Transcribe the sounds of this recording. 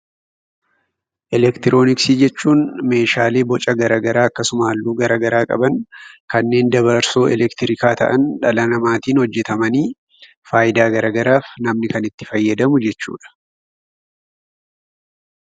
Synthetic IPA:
ʔɛlɛkt̪ɪɾʔo̞ːnɪksiːd͡ʒɛt͡ʃːuːnme̞ːʃaːle̞ːbɔt͡ʃʼɐɡɐɾaːɡɐɾaːɐkːɐsʊmaːlːuːɡɐɾaːɡɐɾaːkʼɐ̰bɐŋkɐnːe̞ːnd̪ɐbɐɾso̞ːʔɛ̰lɛkt̪ɪɾɪkaːt̪ɐ̰ʔɐnᶑɐlɐnɐmaːt̪iːnhɔd͡ʒːɛt̪ɐmɐniː | faːʔɪd̪aːɡɐɾaːɡɐɾaːfnɐmnɪkɐnɪt̪ːɪ̥fɐjːɐd̪ɐmʊd͡ʒɛt͡ʃːṵːᶑɐ̥

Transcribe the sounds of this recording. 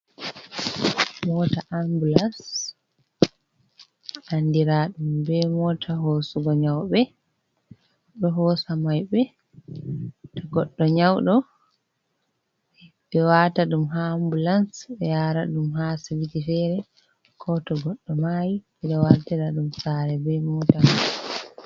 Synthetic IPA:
mɔtaʔambulans | andiɾaɗumbɛmɔtʰaɦosuɡɔɲawɓɛ | ɗɔɦɔsamajbɛ | tɔɡɔɗːɔɲawɗɔ | bɛwataɗumɦambulansɛjaɾaɗumɦasilitifɛɾɛ | kʰɔtɔɡɔɗːɔmaji | ɛɗɔwatiɾaɗumsaɾɛbɛmɔtama

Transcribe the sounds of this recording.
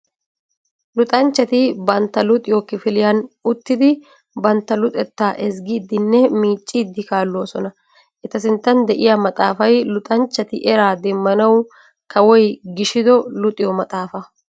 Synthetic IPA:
lʊt̪ʼɐnt͡ʃːɐt̪ɪbɐnt̪ːɐlʊt̪ʼɪjɔkːɪfɪlɪjɐnʊt̪ːɪd̪ɪ | bɐnt̪ːɐlʊt̪ʼɛt̪ːaːʔɛsɡiːd̪ːɪnːɛmiːt͡ʃʼːid̪ːɪkaːlːoːsɔnɐ | ʔɛt̪ɐs̬ɪnt̪ːɐnd̪ɛʔɪjamɐt̪ʼaːfɐjlʊt̪ʼɐnt͡ʃːɐt̪ɪʔɛɾaːd̪ɛmːɐnɐw | kɐwɔjɡɪʃɪd̪ɔlʊt̪ʼɪjɔmɐt̪ʼaːfɐ

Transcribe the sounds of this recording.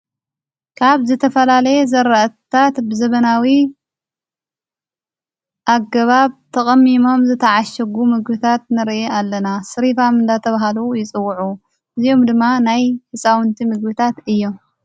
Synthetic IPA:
kʰaβzɨt̪ʰɐfɐlalɐjezɐɾɐʔt̪ʰat̪bɨzɐβɐnawi | ʔaɡːɐβaβt̪ʰɐkʼɐmːimo̞mzɨt̪ʰɐʕaʃɐɡumɨɡbɨt̪ʰat̪̚nɨɾʔeʔalːɐnasɨɾifamɨnd̪at̪ʰɐβaɦalujɪt͡sʼɨwːʕu | ʔɨzijo̞md̪ɨmːanajhɨsʼawɨnt̪ʰimɨɡbɨt̪ʰat̪ɨjːom

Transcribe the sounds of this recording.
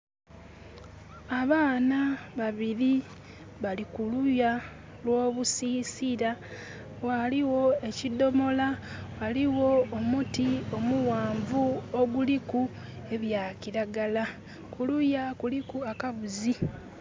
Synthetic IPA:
aβaːnaβaβiɾi | βalikuluja | lwo̞ːβusiːsiɾa | waliwo̞e̞cido̞mo̞lawaliwo̞ːmutio̞muwaːɱvuoɡuliku | e̞βjaːciɾaɡala | kulujakulikuakaβuzi

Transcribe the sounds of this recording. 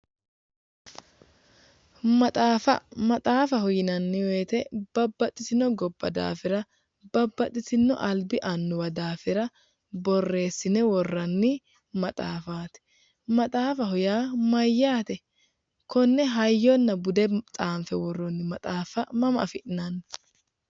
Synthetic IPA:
mɐt̪ʼaːfɐ̰mɐt̪ʼaːfɐhɔjɪnɐnːɪwe̞ːt̪ɛb̥ɐbːɐt̪ʼːɪsɪnːɔɡɔbːɐd̪a̰ːfɪɾɐ | bɐbːɐt̪ʼːɪsɪnːɔ̰ʔɐlbɪʔɐnːʊwɐd̪aːfɪɾɐ | bɔrːe̞ːsːɪnɛwɔrːɐnːɪ | mɐt̪ʼaːfaːt̪ɪ̥ | mɐt̪ʼaːfɐɦɔjaːmɐjːaːt̪ɛ | kɔnːɛɦɐjːɔnːɐbʊd̪ɛt͡sʼaːmfɛwɔrːɔnːɪmɐt̪ʼaːfɐmɐmɐ̰fɪʔɪnɐnː

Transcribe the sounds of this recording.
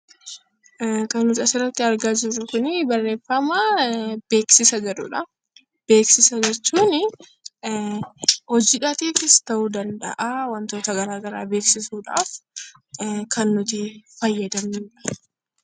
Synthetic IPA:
kɐnːʊt̪ɐsɪrːɐt̪ːɪɐɾɡaːd͡ʒɪrːʊkʊnɪbɐrːeːfːɐmaːb̥e̞ːksɪsɐd͡ʒɐᶑʊ̰ᶑɐ | b̥e̞ːksɪsɐd͡ʒɛt͡ʃːuːnɪ | hɔd͡ʒiːᶑɐt̪iːfɪst̪ɐʔuːd̪ɐnd̪ɐ̰ʔawɐnt̪o̞ːt̪ɐɡɐɾaːɡɐɾaːbe̞ːksɪsuːᶑa̰ːf | kʰɐnːʊt̪ɪfɐjːɐd̪ɐmiːᶑɐ̥

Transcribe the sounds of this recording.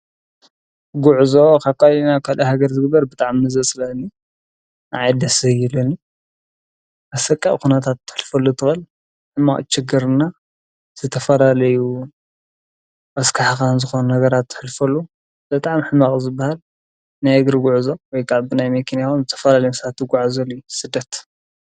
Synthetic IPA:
ɡuʕzokʰaβ̚kʰʼalinakʰalɐhaɡɐɾzɨɡɨbːɐɾbɨt̪ʼaʕmnɨzɐsʼɨlɐnːi | naʕajd̪ɐsɐjilɨni | ʔɐsɐkʼːaʔkunɐt̪ʰat̪ʰːɨ̥ħɨlfɐlːut̪ʰɨxɨl | ħɨmːaχʼt͡ʃɪɡɨɾɨnːa | z̥ɨt̪ʰɐfɐlalɐju | ʔɐskʰaħkanzɨxonunɐɡɐɾat̪ʰːɨ̥ħɨlfɐlːu | b̥ɨt̪ʼaʕmħɨmːaχʼzɨbːahal | najaɡɾɨɡʷuʕuzowɔjkʰaβbɨnajmekʰenjaomzɨt̪ʰɐ̥fɐlalɐjusat̪ːɨɡʷaʕazɐlujusɨd̪ːɐt̪

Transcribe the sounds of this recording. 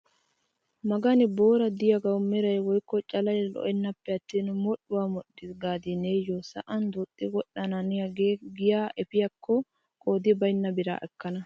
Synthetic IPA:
mɐɡɐnɪbo̞ːɾɐd̪ɪjɐɡɐwʊmːɛɾɐjwɔjkːɔt͡ʃʼɐlɐjlɔ̰ʔɛnːɐpːɛɐt̪ːiːnmɔɗːʊwaːmɔɗːɪsɡaːd̪ɪneːjosɐ̰ʔɐnd̪ut̪ʼːɪwɔɗːɐnɐnɪjɐɡeɡɪjaːʔɛpɪjɐkːɔ | kʼoːd̪ɪbɐjnːɐbɪɾa̰ːʔɛkːɐnɐ

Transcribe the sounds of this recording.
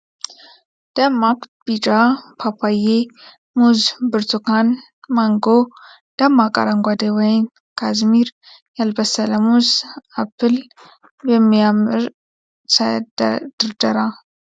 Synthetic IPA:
d̪̥əmakb̥id͡ʒapʰapʰaje | muzbɨɾt̪ʰukʰan | maŋɡo | d̪̥ɐmakʼa̰ɾaŋɡʷad̪ewɔjn | kʰazmiɾ | jalbəsələmuzapʰːɨl | bɛmːijamɨɾ | səd̪d̪̥ɨɾd̪əɾa

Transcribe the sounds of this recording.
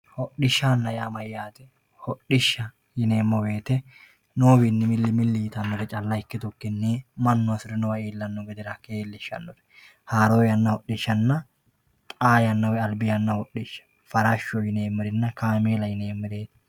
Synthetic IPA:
hɔɗɪʃːanːɐjaːmɐjjaːt̪ɛ | hɔɗɪʃːɐ | jɪne̞ːmːɔweːt̪ɛ | noːwinːɪmɪlːɪmɪlːɪjt̪ɐnːɔɾɛt͡ʃʼɐlːɐjkːɪt̪ʊkːɪnːemɐnːɔɐsɪɾɛnɔwɐeːlːɐnːɔɡɛd̪ɪɾɐkeːlːɪʃːɐ̰nːɔɾɛ̥ | haːɾojɐnːɐhɔɗːɪʃːɐnːɐ | t̪ʼaːjɐnːɐwɛɐlbɪjɐnːɐhɔɗɪʃːɐ̥ | fɐɾɐʃːɔjɪne̞ːmːɪɾɪnːɐkaːmeːlɐjɪneːmːɪɾe̞ːt̪

